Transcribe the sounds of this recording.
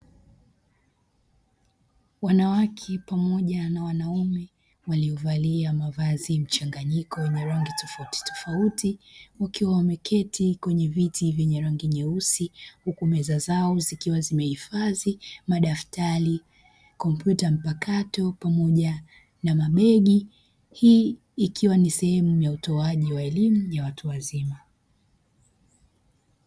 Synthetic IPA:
wanawakʰɛpamɔʄanawanaumɛ | waliɔvaliamavazim̩t͡ʃaŋɡaɲikɔjɛɲɛɾɔŋɡitɔfauti̥tɔ̥fautiwakiwawamɛkʰɛtʰikwɛɲɛvitivjɛɲɛɾaŋɡiɲɛusihukumɛzazaɔzikiwazimɛhifazimaɗaftaɾi | kɔmpjutam̩pakatɔpamɔʄa | namaɓɛɠi | hiː | kʰiwanisɛhɛmujautɔaʄiwaɛlimujawatuwazima

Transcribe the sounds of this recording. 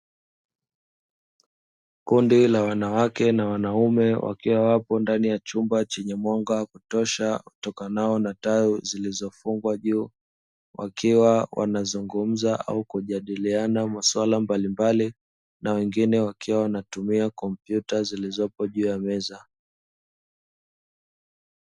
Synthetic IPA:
kundilawanawakɛnawanaumɛwʔa̰kiwawapɔndanijat͡ʃumbat͡ʃɛɲɛmwaŋɡakutɔʃautɔkanaɔnatauzilizɔfuŋɡwaʄuː | wʔa̰kiwawʔa̰nazuŋɡum̩zaʔa̰ukuʄaɗilianamaswalambalimbali | nawɛŋɡinɛwakiwawanatumiakɔmpjutazilizɔpɔʄuːjamɛza

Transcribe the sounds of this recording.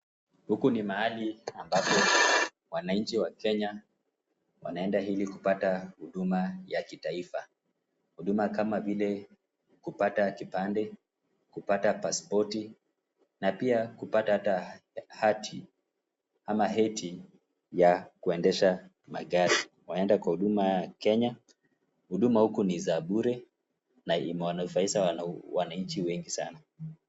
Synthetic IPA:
hukunimaaliambapɔ | wanaɲ̩t͡ʃiwakɛɲa | wa̰naɛndaɦilikupatahuɗumajakitaifa | huɗumakamavilɛ | kupatakipandɛ | kupatapaspɔti | napiakupatahatahatʰi | hamaɦɛtʰi | jakuɛndɛʃa | ma̰ɠaɾi | wanaɛndakwahuɗumajakɛɲa | huɗumahukunizaɓuɾɛ | naḭmɛwanafaiʃawanaɲt͡ʃiwɛŋɡisa̰na

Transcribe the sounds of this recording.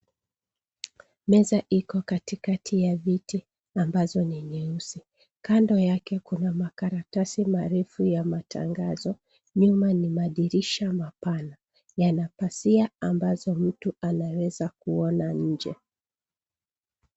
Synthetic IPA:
mɛzaʔikɔkatikatʰijaviti | ambazɔniɲɛusi | kandɔjakɛkunamakaɾatasimaɾɛfujamatʰa̰ŋɡazɔ | ɲumanimaɗiɾiʃamapana | janapasiaambazɔm̩tuanawɛzakuɔnaɲ̩d͡ʒɛ̰

